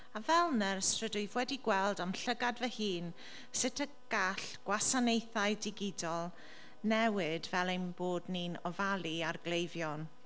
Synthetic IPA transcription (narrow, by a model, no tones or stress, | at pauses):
avɛlˠnəɾstrədʊjvwɛdiɡwɛlˠdamɬəɡadvəhiːn | sɪtʰəɡ̥aɬɡ̥wasanejθajdɪɡɪdɔlˠ | nɛwɪdvɛlˠejnboːdniːnɔvalˠiarɡlejvjɔn